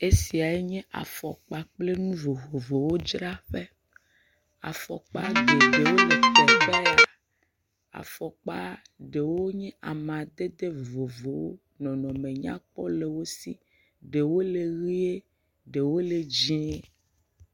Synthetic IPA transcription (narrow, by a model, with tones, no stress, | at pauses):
e˦si˨a˨e˦ɲɛ̃˦ʔa̰˨fɔ˨k͡pa˨k͡ple˦nũ˦vo˨vo˨vo˨wo˦d͡ʒɾa˦ɸe˦ | a̰˨fɔ̰˨k͡pa̰˦ɖe˨ɖe˨wo˦le˨kɔ˦bɛ˦la˨ | a̰˨fɔ˨k͡pa˦ | ɖe˨wo˦ɲɛ̃˦ʔa˨m˨ã˨d̪e˦d̪e˦vo˨vo˨wo˦ | nɔ̃˨nɔ̃˨mẽ˨ɲã̰˦k͡pɔ˦le˨wo˦si˦ | ɖe˨wo˦le˨ɣi˦e˦ | ɖe˨wo˦le˨d͡ʑĩ˦e˦